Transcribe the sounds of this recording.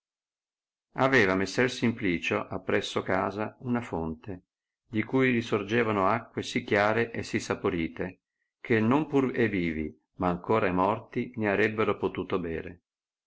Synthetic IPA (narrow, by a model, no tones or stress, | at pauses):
avɛːvamesːɛrsimpliːt͡ʃoʔapːɾɛsːokaːzaunafont̪e | d̪ikuːjɾisord͡ʒeːvanoakːwesikːjaːɾeʔesisːapoɾiːt̪e | kʰenːompureviːvḭ | maːŋkoːɾaimɔrt̪ineaɾɛbːeɾopot̪uːt̪obɛ̰ːɾe